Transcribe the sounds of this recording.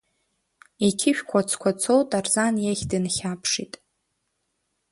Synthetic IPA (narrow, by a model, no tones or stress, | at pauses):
ikʲʰɪʃᶣkʷʰat͡sʰkʷʰat͡sʰowtʼarzanjaχʲdɨnχʲapʰʂitʼ